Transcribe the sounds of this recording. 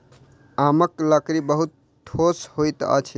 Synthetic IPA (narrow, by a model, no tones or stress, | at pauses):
aməkləkɾibəɦut̪̚ | ʈʰoshojt̪ə̰t͡ʃʰ